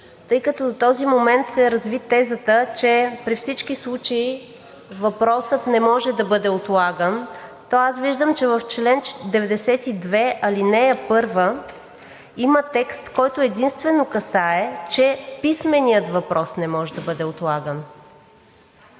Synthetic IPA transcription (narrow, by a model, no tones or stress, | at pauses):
t̪ɤjkət̪ɔd̪ot̪ɔzimomɛnt̪sɛɾɐzvit̪ːɛzət̪ət͡ʃɛpɾifsit͡ʃkislˠut͡ʃəi | vɐpɾɔsət̪nɛmɔʒɛd̪ɐbɤd̪ɛot̪lˠaɡənt̪ɔasviʒd̪əmt͡ʃɛvɐft͡ʃlɛnt͡ʃd̪ɛvɛd̪ɛsɛt̪id̪vɛɐlinɛɛpɤɾvə | imət̪ɛkst̪kɔjt̪oɛd̪inst̪vɛnokɐsaɛt͡ʃɛpismɛnijət̪vɐpɾɔsnɛmɔʒɛd̪ɐbɤd̪ɛot̪lˠaɡən